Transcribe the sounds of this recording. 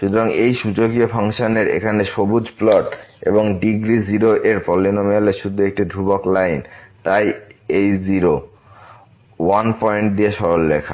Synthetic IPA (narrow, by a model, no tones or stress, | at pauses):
ʃut̪oɾaŋejʃud͡ʑokiofʰaŋʃaneɾḛkʰaneʃobud͡ʑplɔʈḛboŋɖiɡɾiziɾoʔeɾpɔlːinomealeʃud̪ʱːuek̚ʈid̪ʱɾuboklajnt̪ajejziɾo | wanpɔjeɳʈ̚d̪ieʃɔɾolːekʰa̰